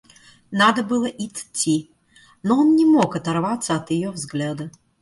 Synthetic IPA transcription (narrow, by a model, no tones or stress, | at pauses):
nad̪ɐbɨlˠɐʔit̪t͡sʲːi | nɔɔnnʲɛmɔkɐt̪arvat̪sːɐɐt̪jajɔvzɣlʲad̪ɐ